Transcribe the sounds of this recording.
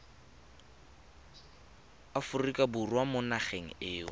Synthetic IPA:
afʊrikʼaburwamʊnaχeŋ̩ɪːʊ̰

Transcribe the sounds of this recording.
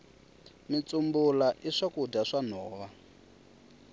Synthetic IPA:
mit͡sumbulaʔiʂakudaʂanɔːβa

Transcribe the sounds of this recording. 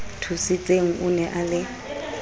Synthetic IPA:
tʰusit͡sʼeŋ̩ʔʊnɛʔalɪ

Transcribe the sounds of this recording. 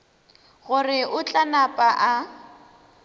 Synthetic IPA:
ɣʊrɪʔʊt͡ɬʼanapʼaʔa

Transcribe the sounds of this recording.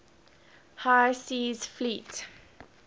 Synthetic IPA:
hajsiːz̥flit

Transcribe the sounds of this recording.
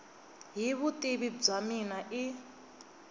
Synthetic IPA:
ɦiβutʼiβib͡ʐaminaʔi

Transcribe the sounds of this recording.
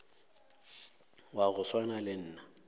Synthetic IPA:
waɣʊswanalɪn̩ːna

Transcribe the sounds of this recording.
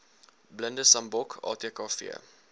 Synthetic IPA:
bləndəsɐmbɔkʰɑ̰ːtekɑːfḭə̰

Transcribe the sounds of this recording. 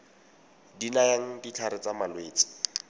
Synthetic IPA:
dinajaŋ̩dit͡ɬʰaɾɪt͡samalweːt͡sʼɪ̥

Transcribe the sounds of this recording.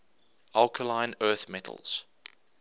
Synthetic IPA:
alˠkʰəlãɪ̃nɜːˑθmɛtʰə̰l̩ˠz̥

